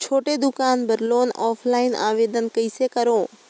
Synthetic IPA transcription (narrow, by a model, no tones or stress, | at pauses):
t͡ɕʰoːʈed̪ʊkaːnbɐɾloːnɔːfʰlaːɪna̰ːʋeːd̪ən̆kɐisekɐɾoː